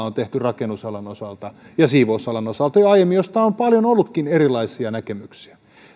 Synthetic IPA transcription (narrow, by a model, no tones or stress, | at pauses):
ont̪eht̪yrɑkenusɑlɑnosɑlt̪ɑjɑsiːʋousɑlɑnosɑlt̪ɑjoɑijemːijost̪ɑompɑljonolːut̪kinerilːˑɑisiɑnækemyksi̥æ